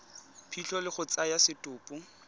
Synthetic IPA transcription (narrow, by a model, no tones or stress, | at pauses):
pʰiɬɔlɪχʊt͡sajasɪtʼʊːpʼu